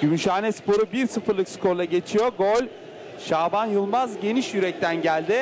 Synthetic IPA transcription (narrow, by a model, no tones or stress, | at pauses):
ɟ̥ymyʃaːnɛspo̞ɾubiɾsɯfɯɾlˠɯkskʰoɾlˠaɟe̞t͡ʃʰijoɡolʲ | ʃaːbanjɯlˠmazɟe̞niʃjyɾɛc̚t̪ʰænɟælʲd̪ɪ